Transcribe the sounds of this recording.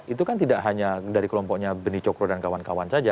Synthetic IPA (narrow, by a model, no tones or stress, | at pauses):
it̪̬ukant̪idaʔɦaɲadaɾikəlɔmpɔʔɲabənit͡ʃɔkɾodankawankawansad͡ʒa